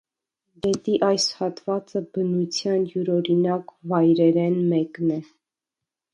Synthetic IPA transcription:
ɡɛt̪iʔɑjshɑt̪vɑt͡səbənut͡sʰjɑnjuɾɔɾinɑkvɑjɾɛɾɛnmɛknɛ

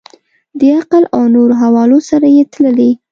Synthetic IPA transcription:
d̪əaqəlawnoɾoɦawɑlosaɾajet̪ləli

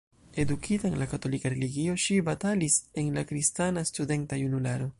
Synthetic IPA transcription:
e̞dukʰitanlakato̞likaɾeliɡio̞ʃibatalise̞nlakɾistanastude̞ntajunulaɾo̞

